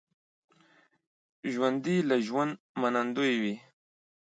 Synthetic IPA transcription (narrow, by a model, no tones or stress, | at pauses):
ʒwand̪ilaʒwand̪̚ | manand̪ojwi